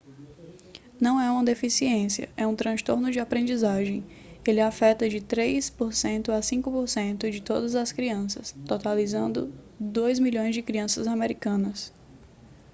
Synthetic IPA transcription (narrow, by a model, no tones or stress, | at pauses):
nɐ̃w̃ɛũmɐd̪efisiẽsiɐ̰ɛũt̪ɾɐ̃st̪oɾnʊd͡ʒɪapɾẽnd͡ʒizaʒẽj̃ | elɪafɛt̪ɐd͡ʒɪt̪ɾejspoɾsẽnt̪ʊasĩkʊpoɾsẽnt̪ʊd͡ʒɪt̪od̪ɐzɐskɾiɐ̃sɐst̪ot̪alizɐ̃nd̪ʊ̰ | d̪ojzmiʎõj̃zd͡ʒɪkɾiɐ̃sɐzameɾikɐ̃nɐs